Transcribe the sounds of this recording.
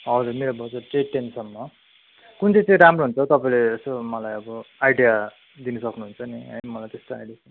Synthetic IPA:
ɦʌd͡zurmeɾobʌd͡zʌʈeʈːensʌnmʌ | kunt͡sʌ̃t͡sʌ̃ĩɾamroɦunt͡sʰʌt̪ʌpaĩled͡zʌsomʌlajʌbʌajɖija | d̪inʌsʌknuɦunt͡sʰʌniʌ̰mʌlajt̪est̪oa̰jɖiasʌ

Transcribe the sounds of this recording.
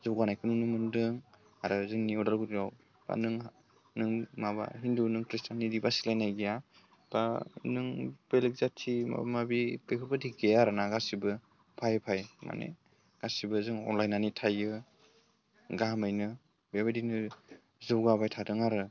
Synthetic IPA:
zɔwɡanajkʰɯnunɯmɯndɯŋ | aɾɯzɯŋniɔdaɾɡudiɾaw | b̥a̰nɯŋ | nɯŋmaba̰ɦindunɯŋkɾistanːidibasilajnajɡija | b̥anɯŋb̥elek̚zatʰima̰mabipekʰɯbadiɡejaɾanaɡasibɯ | pʰajpʰajma̰nḛ | ɡ̥asibɯzɯŋɔ̰nlajnanitʰajɯ | ɡamajnɯ | baβedinɯ | zɯwɡaβajtʰadɯŋaɾɯ

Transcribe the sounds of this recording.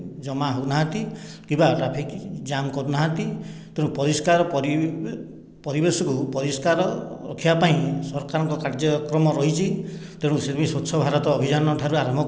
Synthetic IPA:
d͡ʒɔmaɦonaɦãt̪ikĩmbaʈɾapʰikd͡ʒamkɔɾunaɦãt̪it̪eɽ̃ũpɔɾiskaɾɔpɔɾi | pɔɾibesɔkupɔɾiskaɾɔɾɔ̰kʰibapaĩsɔɾkaɾɔŋkɔkaɾd͡ʒɔkɾɔmɔɾɔɦit͡ʃʰit̪eɽ̃ũset̪ʰipĩsot͡ʃʰɔbʱaɾɔt̪ɔːbʱid͡ʒanɔʈʰaɾuaɾɔmbʱɔ

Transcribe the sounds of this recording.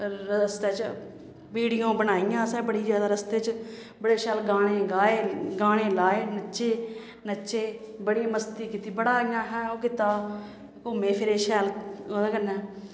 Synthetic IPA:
ɾəst̪eːt͡ʃ | piːɽɪjãːbəɽ̃aːijãːsɛːbəɽiːd͡ʒjaːd̪aːɾəst̪eːt͡ʃ | bəɽeːʃɛːlɡaːɽ̃eːɡaːeːɡaːɽ̃ẽːlaːeːnəːʃeː | nəʃeː | bəɽiːməst̪iːkiːt̪iːbəɽaːijãːɦɛːoːkɪt̪aː | koːmẽːpʰɪɾeːʃɛːloːd̪aːkənːɛ̃ː

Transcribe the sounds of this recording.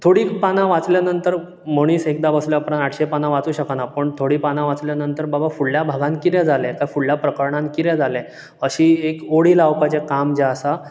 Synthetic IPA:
t̪ʰoɽiːpanãʋat͡sljanənt̪əɾ | moɽ̃iːsek̚d̪abəsljapɾãnaʈʰɕepanãʋat͡suːɕəkanapəɳt̪ʰoɽiːpanãʋat͡sljanənt̪əɾbabafuɭljabʱaɡãnkiɾɛ̃d͡zʱalɛ̃kafuɭljapɾəkəɾɳãnkiɾɛ̃d͡zʱalɛ̃ | əɕiːekoɽiːlawpat͡ɕekamd͡ʑɛəsa

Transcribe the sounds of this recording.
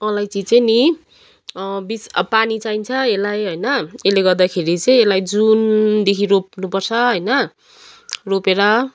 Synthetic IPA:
ʌlajt͡sit͡sʌjni | bispanit͡saint͡sʰʌelajɦʌjnʌeleɡʌrd̪akʰeɾit͡sʌj̃elajd͡zund̪ekʰiɾop̚nupʌrt͡sʰʌɦʌjnʌ | ropeɾʌ

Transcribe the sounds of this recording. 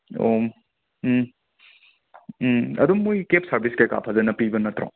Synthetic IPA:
o | ɐ̰d̪umujkep̚ʰsɐɾbʱiskeka̰pʰɐzɐnɐpibɐnɐt̪ɾo̰

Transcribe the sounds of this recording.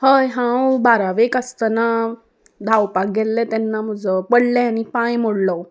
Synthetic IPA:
həjɦãwbaɾaʋekəst̪əna | d̪ʱawpak̚ɡɛlːɛ̃t̪ɛnːaməd͡zəpəɽlɛañipãjmoɽlə

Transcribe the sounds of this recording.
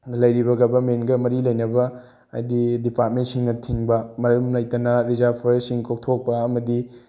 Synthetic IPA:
lɐjɾibɐɡɐbɐmenɡɐmɐɾilɐjnɐbɐ | a̰jdidipat̚mentsiŋɡɐtʰiŋbɐmɐɾɐmlɐjtɐnɐɾizapʰoɾessiŋkʰok̚tʰok̚pɐɐmɐdi

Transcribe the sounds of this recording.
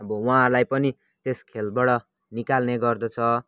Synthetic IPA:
ʌbʌwaɦãlajpʌni | t̪eskʰelbʌɽʌ | nikalneɡʌrd̪ʌt͡sʰʌ

